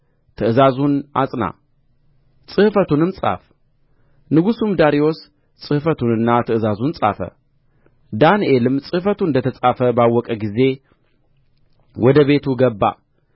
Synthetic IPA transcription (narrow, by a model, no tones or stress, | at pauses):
t̪ʰɨʔɨzazuna̰t͡sʼna̰ | t͡sʼɨhfɐt̪unɨmt͡sʼa̰f | nɨɡusumd̪aɾio̞s | t͡sʼɨhfɐt̪unɨnːat̪ʰɨʔɨzazunt͡sʼa̰fɐ̰ | d̪anʔelɨmt͡sʼɨhfɐt̪unɨnd̪ɐt̪ʰɐt͡sʼafɐbawɔkʼɐɡize̞ | wɔd̪ɐβe̞t̪ʰuɡɐbːa̰